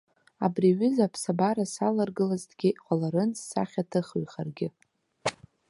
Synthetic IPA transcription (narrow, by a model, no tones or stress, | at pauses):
abriɥʏzapʰsabaɾasalarɡɨlazdɡʲɪqʷʼalaɾɨnsa̰χʲatʰɨχɥχarɡʲɪ